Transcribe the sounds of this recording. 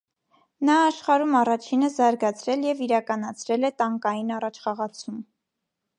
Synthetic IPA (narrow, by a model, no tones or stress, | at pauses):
nɑːʃχɑɾumɑrɑt͡ʃʰinəzɑɾɡɑt͡sʰɾɛljɛviɾɑkɑnɑt͡sʰɾɛlɛt̪ɑŋkɑjinɑrɑt͡ʃʰχɑʁɑt͡sʰum